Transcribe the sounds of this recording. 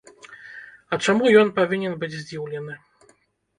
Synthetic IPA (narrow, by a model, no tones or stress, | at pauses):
ɐt͡ʂamujɔnpavʲinʲɛnbɨd͡zʲzʲd͡zʲiwlʲɛnɨ